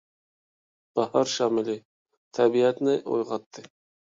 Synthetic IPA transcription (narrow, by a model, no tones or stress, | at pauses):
b̥ɑhɑɾʃɑːmɪli | t̪ʰɛbiɛt̪nɪʔo̰jʁɑt̪ʰːɨ